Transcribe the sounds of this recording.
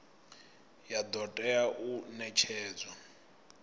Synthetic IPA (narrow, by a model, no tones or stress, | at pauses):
jad̪ɔtʼɛaʔunɛt͡ʃʰɛːd͡za